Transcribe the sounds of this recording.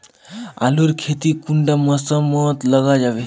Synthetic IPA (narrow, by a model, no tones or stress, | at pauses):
a̰luɾkʰet̪iːkuɳɖaməsəmət̪ləɡad͡ʑaʋe